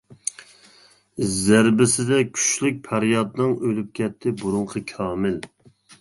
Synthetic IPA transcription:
zæɾbɪsɪd̪ɛkʲʰy̥ʃlyk̚ʲpʰæɾjɑd̪nɨŋʔølyp̚kʲʰɛt̪ʰːɪbuɾuŋqʰəkʲʰɑːmɪl

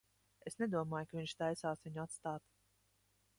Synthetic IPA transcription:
esned̪uɔmaːjkaviɲʃt̪ajsaːsviɲuat̪st̪aːt̪

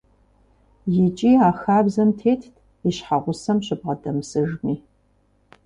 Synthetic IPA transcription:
jɪt͡ʃʼiːaːxaːbzɐmtʰeːtʰ | iɕħaʁʷʊsɐmɕɪb̚ʁɐdɐmsɨʒmiː

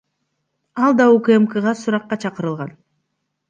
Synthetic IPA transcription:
ɑlˠd̪ɑukemkəʁɑsuɾɑqːɑt͡ʃʰɑqɯɾɯlˠʁɑn

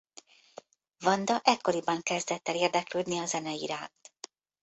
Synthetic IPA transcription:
vɒnd̪ɒʔɛkːo̞ɾibɒŋkɛzd̪ɛt̪ːɛleːrd̪ɛkløːd̪niɒzɛnɛiɾaːnt̪

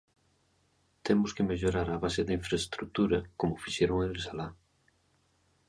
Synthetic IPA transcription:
t̪emʊskemeʎoɾaɾaβaseðiɱfɾest̪ɾuk̚t̪uɾɐkomʊfiʃeɾoŋelsala

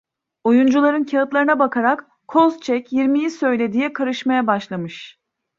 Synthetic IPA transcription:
ojund͡ʒulˠaɾɯncʰaɯt̪lˠaɾɯnabakʰaɾak | kʰːozt͡ʃʰɛcjiɾmijisø̞jlʲe̞d̪ijɛkʰaɾɯʃmajabaʃlˠamɯʃ

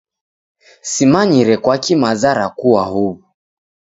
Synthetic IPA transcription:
simaɲiɾɛkwakimazaɾakuwahuβu

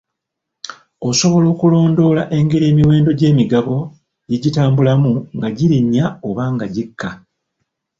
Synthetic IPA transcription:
o̞so̞βo̞lo̞ːkulo̞ːndo̞ːlaʔe̞ŋɡe̞ɾie̞ːmiwe̞ːndo̞ɟe̞ːmiɡaβo̞ | jiɟitaːmbulamuŋɡaɟiɾiɲːao̞βaːŋɡaɟikʰːa

